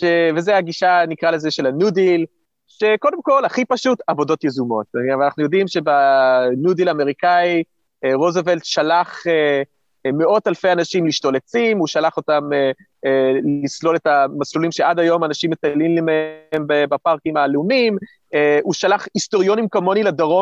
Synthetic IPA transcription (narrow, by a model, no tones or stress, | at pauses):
ʃevezeaɡiʃanikʁalezeʃe̞lanudil | ʃe̞ko̞d̪emko̞laχipaʃutavo̞do̞t̪jezumo̞tvanaχnujo̞dimʃe̞banudilame̞ʁikai | eʁozeveltʃalaχe | meʔo̞thalfejanaʃimliʃto̞let͡simuʃalaχo̞tame | eislo̞letamaslulimʃeʔadajo̞manaʃimːetallimlemeembbapaʁkimaleumim | euʃalaχisto̞ʁijo̞nimkomo̞niladaʁo